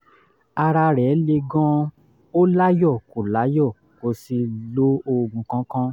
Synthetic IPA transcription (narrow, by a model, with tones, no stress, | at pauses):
a˧ɾa˧ɾɛ˨˦le˧ɡɔ̃˦ | o˦la˦jɔ˦˨ko˨la˨˦jɔ˦˨ | ko˧si˧lo˦o˧ɡũ˨kã˨˦kã˦